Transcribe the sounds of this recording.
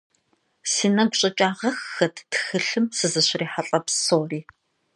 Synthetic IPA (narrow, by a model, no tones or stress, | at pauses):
siːnɐɡʷɕʼɐt͡ʃʼaːʁɐxɐtʰtxɨɬɨmsɨzɨɕriːħaɬʼɐpsoːriː